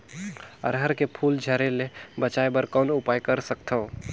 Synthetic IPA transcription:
ə̰ɾɦəɾkepʰuld͡ʒʱəɾelebət͡ʃaebəɾkənupajkəɾsək̚t̪ʰəũ

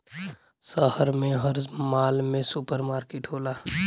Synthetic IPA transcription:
səhəɾmẽɦəɾzmaːlmẽsʊpəɾmaːɾkeʈɦoːlaː

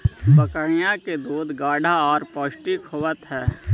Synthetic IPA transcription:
bəkəɽ̃ijãked̪oːd̪ɡaːɖʱaɔːɾpɔːʃʈikʰɦoːʋət̪ɦɛː

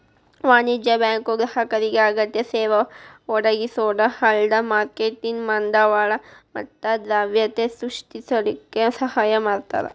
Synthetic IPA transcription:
ʋaːnid͡ʒjɐbjaːŋkuɡɾɐɦɐkɐɾiɡeɐɡɐt̪jɐseːʋɐɔɽɐɡisoːɽɐhɐɭd̪ɐmaːɾkeʈiŋmɐnd̪ɐʋaːɭɐmɐt̪ːɐd̪ɾaːʋjɐt̪esɾuʂʈisɐd̪ikːesɐhaːjɐmaːɽt̪a̰ːɾḛ

